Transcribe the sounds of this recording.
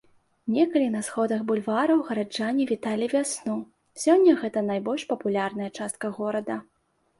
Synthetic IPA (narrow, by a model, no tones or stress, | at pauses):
nʲɛkɐlʲinɐsxɔd̪ɐɣbulʲvaɾɐwɣɐɾad͡ʐanʲivʲit̪alʲivʲasnu | sʲɔnʲːɐɣɛt̪ɐnajbɔlʲʂpɐpulʲarn̪ɐjɐt͡ʂast̪̚kɐɣɔɾɐd̪ɐ